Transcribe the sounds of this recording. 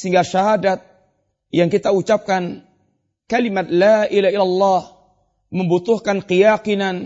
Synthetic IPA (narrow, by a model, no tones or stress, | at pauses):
siŋɡaʃaɦadat̪̚ | jaŋkit̪aut͡ʃap̚kan | kalimat̪̚laʔilailalːɑh | məmbut̪ʊhkanqijaqinan